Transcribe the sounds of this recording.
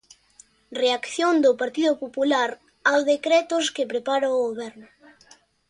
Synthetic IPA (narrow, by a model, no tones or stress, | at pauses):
reakθjond̪ʊpaɾt̪iðʊpopulaɾ | awðekɾɛt̪ʊskepɾepaɾaoɣoβɛɾnʊ